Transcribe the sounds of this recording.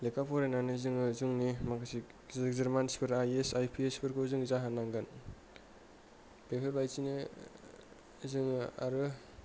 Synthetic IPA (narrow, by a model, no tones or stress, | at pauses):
lekʰapʰɔɾenanɯzɯŋɯzɯŋnimakʰsi | zeɾmanspʰɯɾajesajpʰiespʰɯɾkʰozɯŋzaɦanaŋɡɯn | pepʰeɾbajsinɯ | zɯŋɯa̰ɾɯ